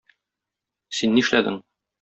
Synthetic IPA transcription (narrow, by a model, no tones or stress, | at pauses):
sinːĭʃlæd̪ɘ̰ŋ